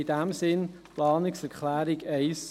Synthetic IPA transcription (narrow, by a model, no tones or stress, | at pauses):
idæmsɪnplɑːnɪksɛɾkʰlæːɾɪɡɛɪs